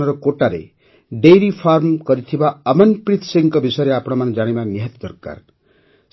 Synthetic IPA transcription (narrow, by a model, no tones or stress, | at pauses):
ɔɾɔkoʈaɾḛ | ɖejɾipʰaɾmkɔɾit̪ʰibaəmʌnpɾit̪ʰsiŋkɔbisɔjɾeapɔɽ̃ɔmand͡ʒaɽ̃ibaniɦet̪d̪ɔɾka̰ɾ